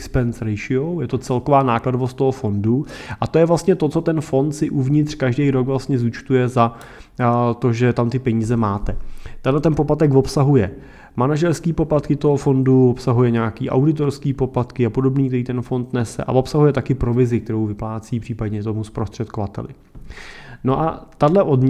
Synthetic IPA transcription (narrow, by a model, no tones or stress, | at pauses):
kspɛnsɾɛjʃɪowjɛt̪o̞t͡sɛlkovaːnaːkladovost̪t̪oɦofo̞nduʔat̪o̞jɛvlast̪ɲɛt̪o̞t͡so̞t̪ɛnfo̞nt̪sɪʔuvɲɪt̪r̝̥kaʒdejɾo̞ɡvlast̪ɲɛzuːt͡ʃt̪ujɛza | t̪o̞ʒɛt̪amt̪ɪpɛɲiːzɛmaːt̪ɛt̪adlɛt̪ɛnpoplat̪ɛɡvo̞psaɦujɛ | manaʒɛɾskiːpo̞plat̪kɪt̪oɦofo̞nduvopsaɦujɛɲaːkiːʔa̰wdɪt̪̬o̞ɾskiːpo̞plat̪kɪapo̞do̞bniːk̚t̪ɛɾiːt̪ɛnfo̞nt̪nɛsɛ̰ʔa̰vo̞psaɦujɛt̪akɪpɾo̞vɪzɪk̚t̪ɛɾowvɪplaːt͡siːpr̝̥iːpadɲɛt̪̬o̞muspɾo̞st̪r̥ɛt̪kovat̪ɛ̰lɪ̰ | no̞ʔa̰t̪adlɛʔodɲ